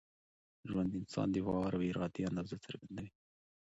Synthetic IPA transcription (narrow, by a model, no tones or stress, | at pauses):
ʒwand̪ɪnsɑ̰nd̪əwɑaɾaweɾɑd̪eand̪ɑzat͡səɾɡand̪awi